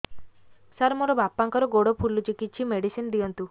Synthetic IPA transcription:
saɾmoɾɔbapːaŋkɔɾɔɡoɽopʰulːut͡ʃikit̪̚ːt͡ʃʰimeɽisind̪ijɔnt̪u

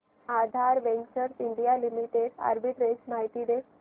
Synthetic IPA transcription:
ad̪ʱaɾʋẽnɡt͡ɕəɾsiɳɖijalimiʈeɽa̰ɾbiʈɾesmaɦit̪id̪e

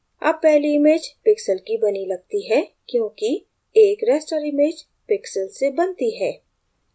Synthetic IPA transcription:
ɐ̰b̚pɛɦliɪmeːd͡ʒpɪksəlkibɐnilɐɡ̚t̪iɦɛkjõːki | eːkɾɛːsʈəɾɪmeːd͡ʒ | pɪksəlsebɐnt̪iɦɛː

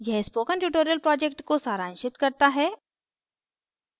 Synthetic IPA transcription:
jɛɦspoːkə̃ɳʈjuːʈoɾijəlpɾɔːd͡ʒekʈkosaːɾaːnʃɪt̪kɐɾt̪aɦɛː

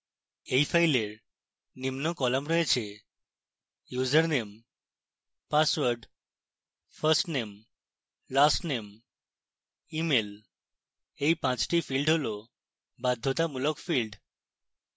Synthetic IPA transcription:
ejfʰajleɾ | nimnokɔlamɾɔet͡ɕʰe | juzəɾnem | paswəɾɖ | fʰəsʈnem | lasʈnem | imel | ejpãt͡ɕʈifilɖɦolo | bad̪ʱːot̪amulokfilɖ

